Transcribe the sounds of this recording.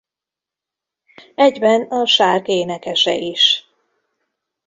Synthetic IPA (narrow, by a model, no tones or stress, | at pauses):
ɛɟbɛnɒʃaːrkeːnɛkɛʃɛʔiʃ